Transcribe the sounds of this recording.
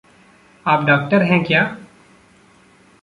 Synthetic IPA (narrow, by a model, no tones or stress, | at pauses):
aːpɖaːk̚ʈəɾɦɛ̃kjaː